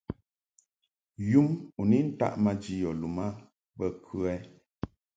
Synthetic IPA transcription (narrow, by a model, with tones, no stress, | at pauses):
ju˦mu˨ni˦n̩˦ta̰˦˨ʔma˦d͡ʒi˦jɔ˨lu˨ma˦ | bə˦kʰʉ˦ɛ˦